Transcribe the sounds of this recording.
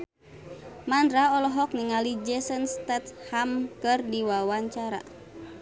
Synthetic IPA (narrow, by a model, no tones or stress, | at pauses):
mandɾaɔlɔɦɔk̚niŋalid͡ʒɛsənst̪ɛt̪̚hamkɨrdiwawaɲt͡ʃaɾa̰